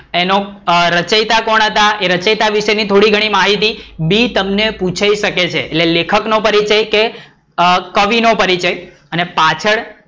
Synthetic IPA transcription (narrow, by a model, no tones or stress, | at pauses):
enõɾət͡ʃəjt̪akɔɽ̃ət̪aeɾət͡ʃəjt̪aʋiʃenit̪ʰoɽiɡʱəɽ̃imaɦit̪̬ibit̪əmneput͡ʃʰaiʃəket͡ʃʰeːtlelekʰəknõpəɾit͡ʃəjke | kəʋinõpəɾit͡ʃəj | ənepat͡ʃʰəɭ